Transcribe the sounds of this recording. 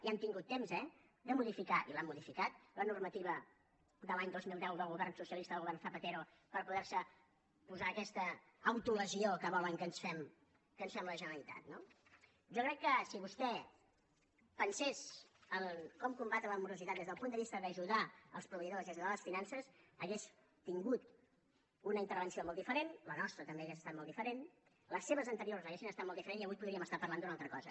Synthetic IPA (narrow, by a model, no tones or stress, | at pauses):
iant̪iŋɡut̪ːemzɛ | d̪əmuðifikaʔḭlamːuðifikat̪̚lənurmət̪iβ̞ə | d̪əlaɲd̪ozmilˠd̪ɛwðəlˠɣuβɛrnsusiəlist̪əðəlɣuβɛrnθəpət̪eɾu | pəɾpuðɛɾsə | puzaːkɛst̪əː | wt̪uləziokəβɔləŋkənsfɛm | kənsfɛmləʒənəlit̪a̰t̪no | ʒokɾɛkːəsiβust̪ɛ | pənsezəlˠkɔmkumbat̪ələmuɾuzit̪at̪d̪ezðəlˠpund̪əββist̪əðəʒuðaəlˠspɾuβəiðozðezuðaləsfinansəzəɣes | t̪iŋɡut̪ | unəint̪ərβənsiomɔlˠd̪ifəɾenlənɔst̪ɾət̪əmbeəɣesəst̪at̪̚mɔlˠd̪ifəɾen | ləsːeβəzənt̪əɾioɾzəɣesinəst̪at̪mɔlˠd̪ifəɾenziəβujpuðɾiəməst̪apəɾrland̪unalˠt̪ɾəkɔzə